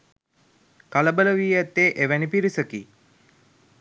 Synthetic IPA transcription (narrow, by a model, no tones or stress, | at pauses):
kaləbələʋiːæt̪ːeːʔeʋænipiɾisəki